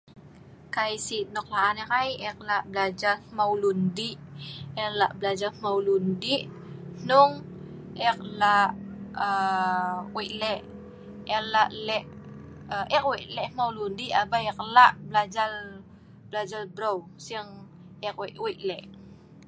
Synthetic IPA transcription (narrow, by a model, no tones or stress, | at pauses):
kajsinɔk̚laʔanɛkajɛk̚laʔblad͡ʒalmawlundiʔɛlaʔblad͡ʒamawlundiʔ | nʊŋ | ɛk̚laʔə | wiʔlɛʔ | ɛlaʔlɛʔ | əʔɛkwiʔlɛʔmawlundiʔabaɛk̚laʔblad͡ʒal | blad͡ʒalbɾosiŋ | ɛkwɛʔwiʔlɛʔ